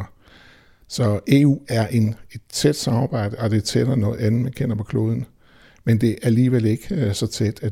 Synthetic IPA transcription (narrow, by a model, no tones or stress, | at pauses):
sɒ̽ʔe̝ːṵːæɐʔe̝ne̝d̥t͡sʰed̥sɑ̈mɑ̈ːb̥ɑ̈ɪ̰d̥əɒ̽d̥e̝t͡sʰedɐnɔ̽ːð̩ˠænð̩ˠmænkʰen̰ɐpʰɒ̽kʰlo̝ːð̞ˠn̩ | mend̥e̝ʔææɐliːʋel̰e̝ɡ̥əsɒ̽t͡sʰed̥æ